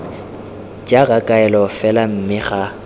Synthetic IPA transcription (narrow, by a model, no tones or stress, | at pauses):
d͡ʒʼaɣakʼaɛlɔfɛlam̩mɪχa